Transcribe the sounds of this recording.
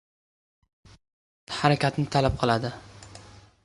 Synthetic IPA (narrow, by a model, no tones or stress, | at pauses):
haɾakʲat̪nɪt̪ʰalap̚qʰɨlˠad̪ɪ